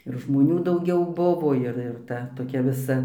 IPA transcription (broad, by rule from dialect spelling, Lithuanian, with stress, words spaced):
ɪr ʒmoːˈnʲuː dɐʊˈɡʲɛʊ ˈbʊʋoː ˈɪr ɪr ˈtɐ toːˈkʲɛ ʋʲɪˈsɐ